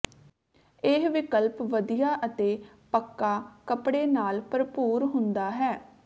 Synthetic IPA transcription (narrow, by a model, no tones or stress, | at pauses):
eɦʋɪkəlpʋəd̪ɪjaːʔət̪eː | pəkːaːkəpɽeːnaːlpəɾpuːɾɦʊnd̪aːɦɛː